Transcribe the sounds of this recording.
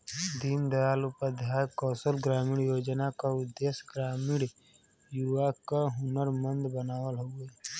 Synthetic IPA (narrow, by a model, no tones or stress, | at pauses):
d̪ind̪əjaːlʊpəd̪ʱjaːjkɔːsəlɡɾaːmiɽjoːd͡ʒnakaʊd̪ːeːsɡɾaːmiɽ | juʋakaɦʊnəɾmə̃nd̪bənaːwəlɦoeː